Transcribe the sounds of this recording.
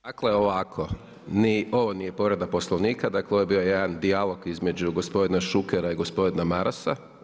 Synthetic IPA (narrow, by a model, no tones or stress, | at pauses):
d̪akleoʋakʰo | nio̞ʋo̞nije̞po̞ɾed̪aposlˠoʋniːkad̪akleoʋojebio̞jed̪and̪ialˠo̞ɡizme̞d͡ʑuɡo̞spo̞d̪inaʃukeɾaiɡo̞spo̞d̪inamaɾasa̰